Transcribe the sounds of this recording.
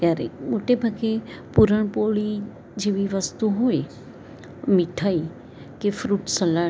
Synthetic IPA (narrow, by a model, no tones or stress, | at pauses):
kjaɾḛmoʈebʱəɡepuɾəɳ̃poɭi | d͡ʒeʋiʋəst̪uɦoːj | mɪʈʰai | kefɾuːʈsəla